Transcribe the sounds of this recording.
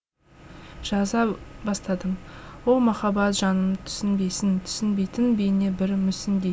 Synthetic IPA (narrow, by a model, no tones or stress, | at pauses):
ʒ̥ɑzɑbɑst̪ɑd̪əmwo̞lˠmɑχɑbɑt̪ʒɑnəmt̪ʰʏ̥sɪnbe̞jsɪnt̪ʰʏ̥sɪnbe̞jt̪ɪnbejne̞bɪɾmʏsɪnd̪ej